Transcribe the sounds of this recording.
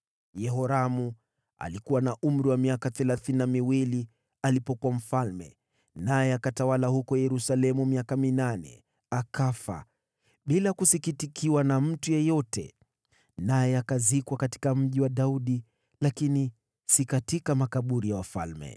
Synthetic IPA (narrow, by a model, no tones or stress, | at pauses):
jɛɦɔɾamu | a̰likuwanaʔum̩ɾiwamiakaθɛlaθininamiwili | alipɔkuam̩falmɛ̰ | najɛakatawalahukɔjɛɾusalɛmumiakaminanɛ̰ | akafa̰ | ɓilakusikitikʰiwanam̩tujɛjɔtʰɛ̰ | najɛakazikwakati̥kam̩ʄiwaɗauɗi | lakini | sikatikamakaɓuɾijawafa̰lmɛ̰